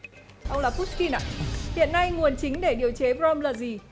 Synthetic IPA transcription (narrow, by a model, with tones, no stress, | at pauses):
ʔə˧wlaː˨˩pu˦˥ski˧na̰ː˧˨hḭ˧˨ənːa˧jŋu˨˩ənt͡ɕï˨˦ŋ̟ɗe˧˩ɗi˨˩əwt͡ɕe˨˦vɾɔ˧mləː˧˩zi˨˩